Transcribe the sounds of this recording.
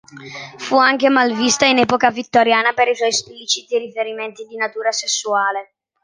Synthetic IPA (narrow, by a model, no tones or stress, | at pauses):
fuaŋkemalvist̪ainɛːpokavit̪ːoɾjaːnapeɾiswɔjsplit͡ʃit̪iɾifeɾiment̪id̪inat̪uːɾasesːuaːle